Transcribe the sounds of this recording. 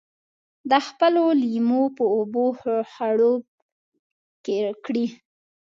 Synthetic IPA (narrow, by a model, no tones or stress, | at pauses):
d̪əxpəlolimopəobohxaɽob̚ | kekɽi